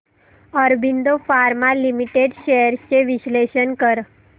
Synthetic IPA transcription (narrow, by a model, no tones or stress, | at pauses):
əɾbʱiɳd̪ofaɾmalimiʈeɖɕeəɾt͡ɕeʋiɕleɕənkəɾ